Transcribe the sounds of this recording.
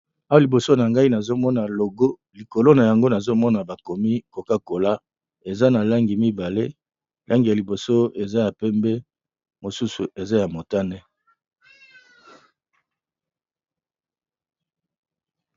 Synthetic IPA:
a˦wa˨li˨bo˨so˦na˨ŋɡa˦i˦na˨zo˦mɔ˦na˨lo˨ɡo˦ | li˨ko˨lo˦na˨ja˨ŋɡo˦na˨zo˦mɔ˦na˨ba˨ko˨mi˦ko˨ka˦ko˨la˦ | e˨za˦na˨la˦ŋɡi˨mi˦ba˨le˦ | la˦ŋɡi˨ja˨li˨bo˨so˦e˨za˦ja˨pɛ˦mbɛ˦ | mo˨su˦su˨ʔe˨za˦ja˨mo˨ta˦nɛ˦

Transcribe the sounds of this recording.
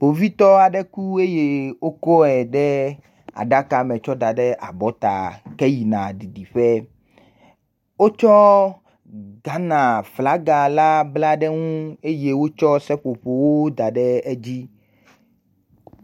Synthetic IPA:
ɸo˨vi˦t̪ɔ˦a˨ɖɛ˦ku˦e˦je˦wo˦kɔ˦ɛ˨ɖɛ˦ | a̰˨ɖa˦ka˨mɛ̃˨t͡ʃɔ˦d̪a˨ɖɛ˦ʔa˨bɔ˨˦t̪a˨kɛ˦ji˨nã˨ɖi˨ɖi˨ɸɛ˦ | wo˦t͡ʃɔ˦ | ɡa˦nã˨fla˨˦ɡa˨la˦bla˦ɖɛ˦ŋũ˦e˦je˦wo˦t͡ʃɔ˦sɛ˦ɸo˨ɸo˨wo˦d̪a˨ɖɛ˦ɛ˦d͡ʑi˦

